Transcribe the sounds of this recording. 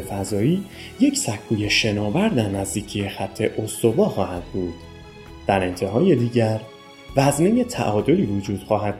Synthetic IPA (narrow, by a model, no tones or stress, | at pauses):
efæzɒːiː | je̞cʰsækʰːuːje̞ʃe̞nɒːvæɾd̪æɾnæzd̪iːcʰije̞xæt̪ʰːe̞ʔo̞st̪o̞bɒːxɒːhæd̪̥̚buːd̪̥ | d̪̥æɾe̞nt̪ʰe̞ɦɒːje̞d̪iːɟæɾ | væzmejet̪ʰæ̰ʔɒːd̪o̞liːvod͡ʒuːd̪̥xɒːɦæd̪̚